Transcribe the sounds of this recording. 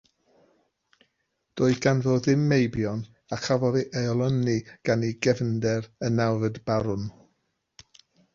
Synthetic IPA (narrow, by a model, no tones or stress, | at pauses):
d̥oːɨɡ̥anvoːðɪmːejbjɔn | akʰavɔðiʔaɔlˠəniɡ̥aniɡɛvndɛɾənːawvədb̥aɾʊn